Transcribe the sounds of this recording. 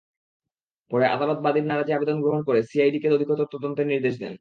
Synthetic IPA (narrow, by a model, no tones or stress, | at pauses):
pɔɾeʔa̰d̪alot̪̚bad̪iɾnaɾad͡ʑeabed̪onɡɾoɦonkoɾesiajɖikeɾod̪ʱiɡot̪oɾt̪od̪ont̪eɾniɾd̪eʃd̪ɛ̰n